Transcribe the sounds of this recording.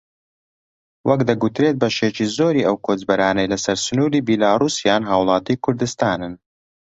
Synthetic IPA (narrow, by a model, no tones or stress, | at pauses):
wʔɐkd̪ɐɡut̪ɾet̪̚bɐʃet͡ʃiːzoːɾiːʔɐwkʰod͡ʒbɐɾaːnɐjlɐsɐɾsʊnuːɾiːbilaːrusjaːnɦaːwlˠɑːt̪ikʰʊɾd̪ɨst̪aːnɨn